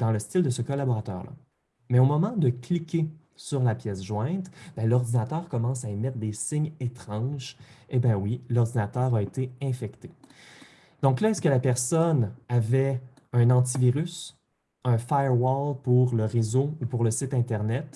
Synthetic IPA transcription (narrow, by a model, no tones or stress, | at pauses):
d̪ɑ̃ləst̪ɪld̪əsəkɔlabɔʁat̪œ̰ːʁlʔa̰ | mɛomɔmɑ̃d̪əklikʲe | syʁlapjɛsʒwɛ̃t̪b̥ɛ̃lɔʁd̪inat̪œːʁkɔmɑ̃saemɛt̪χd̪esɪɲet̪χɑ̃ʒebɛ̃wilɔʁd̪inat̪œːʁaet̪eɛ̃fɛkt̪e | d̪̥ɔ̃klaɛskəlapɛʁsɔnavɛ | œ̃nɑ̃t̪̬iviʁys | œ̃fajəʁwɔlpuʁləʁezoupuʁləsɪt̪ɛ̃t̪ɛʁnɛt̪